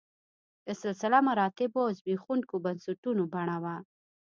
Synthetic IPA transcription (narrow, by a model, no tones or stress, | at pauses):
ɪsɪlsɪlamaɾɑt̪ɪbozbixunkobansuʈunobaɳ̃awa